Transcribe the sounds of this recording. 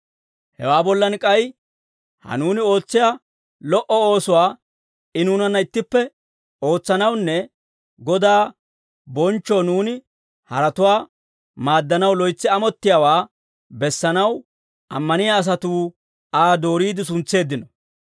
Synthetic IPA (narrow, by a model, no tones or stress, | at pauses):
hɛ̰waːbɔlːɐnkʼɐj | hɐ̰nuːnɪo̞ːt͡sːɪja | lɔʔɔoːsʊwaː | ɪnuːnɐnːɐɪt̪ːɪpːɛ | o̞ːt͡sːɐnɐwnːɛ | ɡɔd̪aː | bɔnt͡ʃːoːnuːnɪ | hɐɾɐt̪ʊwaː | maːd̪ːɐnɐwlɔjt͡sːɪɐmɔt̪ːɪjaːwaː | bɛsːɐnɐw | ɐmːɐnɪjaːs̬ɐt̪uː | aːd̪o̞ːɾiːd̪ɪs̬ʊnt͡sːe̞ːd̪ːɪnɔ